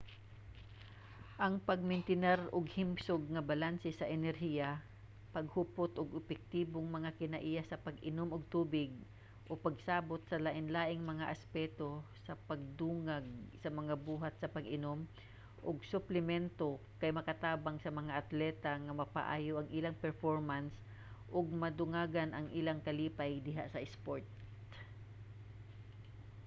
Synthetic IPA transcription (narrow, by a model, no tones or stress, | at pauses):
ʔɐŋpɐɡ̚mɪnt̪ɪnɛɾʊɡhɪmsʊɡ̚ŋɐbalansɛsɐʔɛnɛɾhiːja | pɐɡ̚hʊpot̪ʔoɡʔʊbɛk̚t̪iːboŋmɐŋakɪnɐʔijasɐpɐɡɪnomoɡ̚t̪uːbɪɡ̚ | ʔopɐɡsaːbot̪̚sɐlaʔɪnlaːʔɪŋmɐŋaʔɐspɛːt̪osɐpɐɡ̚d̪uːŋaɡ̚sɐmɐŋabuːɦat̪̚sɐpɐɡɪnom | ʔoɡsʊplɪmɛnt̪okɐjmɐkɐt̪aːbaŋsɐmɐŋaʔɐt̪lɛːt̪aŋɐmɐpa̰ʔa̰ːjoʔɐŋʔɪlaŋpɛɹfoɹmans | ʔʊɡ̚mɐd̪ʊŋaːɡanʔɐŋʔilaŋkɐliːpajd̪ɪɦaʔsɐʔɛspoɹt̪